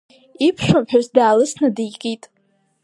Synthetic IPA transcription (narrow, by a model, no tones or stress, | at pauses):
ipʰʃʷᶣʊmħᶣazdaːlɨsnadijkʼitʼ